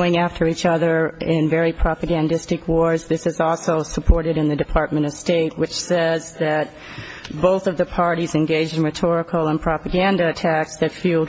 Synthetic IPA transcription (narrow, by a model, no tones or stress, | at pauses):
ɪ̃ŋæftʰə˞it͡ʃʌðə˞ɪ̃nvɛɹipʰɹ̥ɑpɨɡæ̃ndɪstɨkwɔɹzðɪsɨzɔlˠsoʊsəpʰɔɹɾɨɾɨ̃nðɨdɨpʰɑɹt̚mɨ̃ɾ̃ʌv̥steɪt̚wɨt͡ʃsɛzðɨt̚ | b̥oʊθʌvðɨpʰɑɹɾizɨ̃nɡeɪd͡ʒdɨ̃nɹɨtʰɔɹɨkl̩ˠə̃npʰɹ̥ɑpɨɡæ̃ndɨɨtʰæksðɨtfilˠd